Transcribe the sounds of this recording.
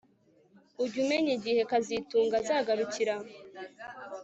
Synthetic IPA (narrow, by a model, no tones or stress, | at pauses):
uɾɟumeɲiɟihe̞kazituːŋɡazaːɡaɾuciɾa